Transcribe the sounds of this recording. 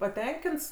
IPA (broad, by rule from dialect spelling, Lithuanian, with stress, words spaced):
pɐˈtʲɛŋʲkʲɪnts